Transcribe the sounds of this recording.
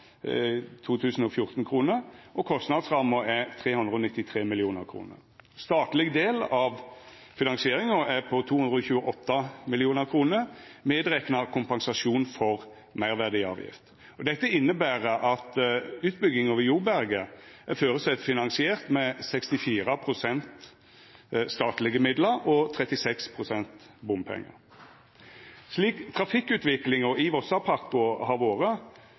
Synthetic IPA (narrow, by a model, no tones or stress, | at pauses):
t̪ʰuːt̪ʰʉːsn̩ɔfjʊʁt̪n̩kʰʁuːnəɾʔɔkʰɔst̪nɑd̪sʁɑməæt̪ʰʁeːhʉnd̪ʁəɔːnɪt̪ːɪt̪ʰʁeːmɪlɪuːnəɾkʰɾṵːnə̰ɾ | st̪ɑːt̪lɪɡd̪eːlɑʋ | fɪnɑnsɪeːʁɪŋəæpʰɔt̪ʰuːʉnd̪ɾəɔçʉːəʔɔt̪ːɑmɪlɪuːnəʁkʰʁuːnəɾmeːd̪ʁɛknɑkʰʊmpɑnsɑsuːnfɔʁ | mæɪʁʋæʁd̪ɪɑ̰ːʋjɪ̰ft̪ | ɔd̪ɛt̪ːəɪnːəbæːʁəʔɑt̪ʉːt̪̚bʏɡːɪŋɔːʋəjuːbæɾɡəʔæʁføːɾəsɛt̪fɪnɑnsɪeːʁt̪mɛsɛkst̪ɪfiːʁəpʰʁʊsɛnt̪ | st̪ɑːt̪lɪɡəmɪd̪ləɾɔt̪ʰʁɛt̪ɪsɛkspʰʁʊsɛnt̪bʊmpʰɛ̰ŋːə̰ʁ | ʂliːkt̪ʰɾɑfɪkːʉːt̪ʋɪklɪŋɔɪʋɔsɑpʰɑkʊhɑʋoːʁə